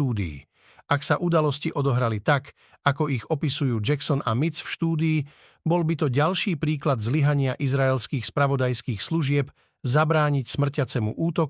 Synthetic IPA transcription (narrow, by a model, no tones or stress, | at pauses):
uːd̪ḭː | ʔaksaʔud̪alɔsciʔɔd̪ɔɦɾalit̪ak | akɔiɣɔpisujuːd͡ʒaksɔnamit͡sfʃt̪uːd̪iː | bɔlbit̪ɔɟalʃiːpɾiːklad̪zliɦaɲɪaʔizɾaɛlskiːxspɾaʋɔd̪ajskiːxsluʒɪɛp | zabɾaːɲicsmr̩cat͡sɛmṵʔuːt̪ɔk